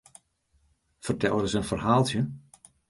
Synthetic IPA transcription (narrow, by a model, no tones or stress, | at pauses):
fərtɛlˠədəsənfərɦaːlˠtjə